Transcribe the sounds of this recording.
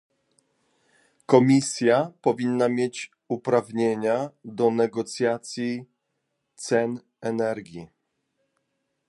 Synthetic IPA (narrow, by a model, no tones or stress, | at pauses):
kɔmʲisʲjapɔvʲinːamʲjet͡ɕ | upɾavɲeɲad̪ɔnɛɡɔt̪sʲjat̪sʲji | t̪sɛn | ɛnɛɾɡʲi